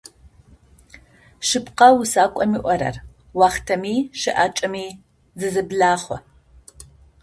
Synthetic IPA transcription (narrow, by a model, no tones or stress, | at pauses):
ʃɨpqɐwʊsaːkʷʼɔmiːʔʷɔɾɐ̰r | wɑːχtʰɐmiːʃɨʔaːt͡ʃʼɐmiː | zɨzɨbɮaːχʷɔ̰